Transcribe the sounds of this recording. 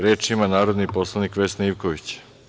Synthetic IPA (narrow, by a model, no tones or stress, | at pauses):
ɾeːt͡ʃimanaːɾod̪nipo̞slˠanikʋe̞sneiʋkoʋit͡ɕ